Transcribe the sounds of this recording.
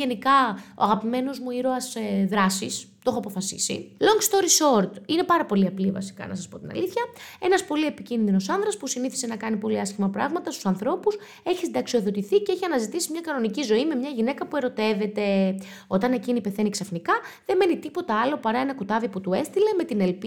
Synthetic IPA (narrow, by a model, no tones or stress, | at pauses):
ʝe̞nikɐo̰ɐɣɐpime̞no̞zmuiɾoɐsðɾɐsist̪o̞xoɐpo̞fɐsḭsḭlo̞ŋɡst̪o̞ɾiso̞ɾt̪ine̞pɐɾɐpo̞liɐplivɐ̰si̥kɐ̰nɐsɐspo̞t̪inɐ̰liθçɐe̞nɐspo̞lie̞picinðino̞sɐnðɾɐspusiniθise̞nɐkɐnipo̞liɐsçimɐpɾɐɣmɐt̪ɐst̪u̥sɐnθɾo̞pus | e̞çist̪d̪ɐksio̞ðo̞t̪iθiceeçiɐnɐzit̪isimɲɐkɐno̞nicizo̞ime̞mɲɐʝine̞kɐpue̞ɾo̞t̪e̞ve̞t̪e̞ | o̞t̪ɐne̞cinipe̞θe̞niksɐfnikɐðe̞me̞nit̪ipo̞t̪ɐɐlo̞pɐɾɐe̞nɐkot̪ɐviput̪ue̞st̪ile̞me̞t̪ine̞lp